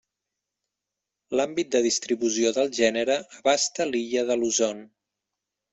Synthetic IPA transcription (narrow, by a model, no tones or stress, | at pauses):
lambit̪̚d̪əðist̪ɾiβuzioðəlˠʒɛnəɾəːβast̪əliʎəðəluzon